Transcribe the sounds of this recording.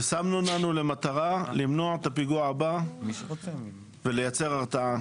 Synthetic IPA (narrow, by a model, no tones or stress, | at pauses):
esamnunanule̞mat̪aʁalimno̞aet̪apiɡuaaba | ve̞le̞jat͡se̞ʁaʁt͡saa